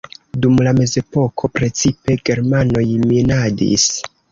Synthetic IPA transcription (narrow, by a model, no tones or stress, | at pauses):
dumlame̞ze̞po̞kʰo̞pɾe̞t͡sipe̞ɡe̞ɾmano̞jminadḭs